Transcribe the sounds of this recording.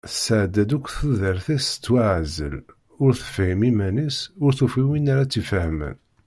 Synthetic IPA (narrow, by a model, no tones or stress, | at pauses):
səʕd̪ːæd̪ukʷːθuðəɾθæsə̥t͡sːwaʕzə̰l | ʊɾθə̥fhimimænisʊɾθufiwinaɾat͡sːifəhmə̰n